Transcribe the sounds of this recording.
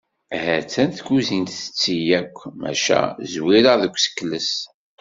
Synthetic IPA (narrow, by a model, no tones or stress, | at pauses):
hæt͡sːænθɡuzint̪θə̥t͡sːijækʷːmæ̰ʃæ̰zwiɾəðəkʷːsə̥kːləs